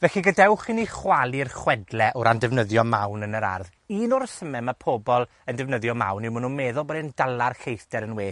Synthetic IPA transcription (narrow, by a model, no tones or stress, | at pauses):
vɛɬiɡədɛwχiniχwalˠirχwɛdlˠɛʔʊɾandɛvnəðjɔmawnənəɾa̰rð | iːnɔɾsəmɛmapʰoːbɔlˠ | əndɛvnəðjɔma̰wnimununmɛːðʊlˠbɔdɛndalˠarɬejθd̥ɛɾənweː